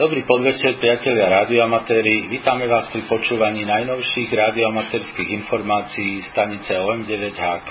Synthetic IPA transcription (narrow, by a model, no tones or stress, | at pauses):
d̪ɔbɾiːpɔd̪ʋɛt͡ʃɛɾpɾɪacɛʎɪaɾaːd̪iɔamat̪ɛːɾiʋiːt̪amɛʋaːspɾipɔt͡ʃuːʋaɲiːnajnɔʊʃiːɣɾaːd̪iɔamat̪ɛːɾskiːɣinfɔɾmaːt͡siiːst̪aɲit͡sɛɔɛmɟɛʋɛɟɦaːk